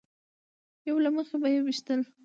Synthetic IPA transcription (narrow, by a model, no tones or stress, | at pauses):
jawlaməxebajewiʃt̪əl